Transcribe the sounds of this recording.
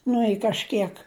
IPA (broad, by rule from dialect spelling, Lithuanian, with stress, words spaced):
ˈnʊ ɪ kɐʃʲˈkʲiɛk